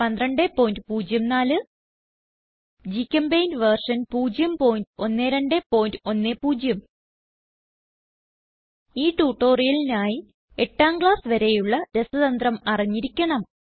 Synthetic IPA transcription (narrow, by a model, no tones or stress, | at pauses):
pɐnd̪rɐɳɖepːo̞ːjindɨpuːd͡ʑjɐmnaːlɨ | d͡ʑikʲːɐmbejnʋɐrʂɐnpuːd͡ʑjɐmpoːjindɨo̞nːeːɾeɳɖe̞po̞ːjindɨo̞nːepuːd͡ʑjɐm | iːʈuːʈːo̞ːrijɐlinaːji | e̞ʈːaːmɡɭaːsɨʋɐɾe̞juɭːɐɾe̞sɐðɐnd̪rɐmɐriɲːiɾikʲːɐɳɐm